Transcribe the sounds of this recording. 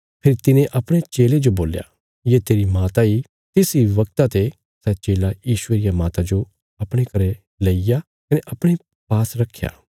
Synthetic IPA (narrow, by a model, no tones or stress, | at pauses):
pʰeːɾit̪ɪnẽʔɐpɽ̃et͡ʃeːled͡ʒoboːlja̰ | jet̪eːɾimaːt̪ai | t̪ɪsiʋɐk̚t̪at̪e | sɛt͡ʃeːlajiːʃʊeɾɪjamaːt̪ad͡ʒo | ɐpɽ̃ekɐɾɛ | leija | kɐneʔɐpɽ̃e | paːsɾɐkʰːja̰ː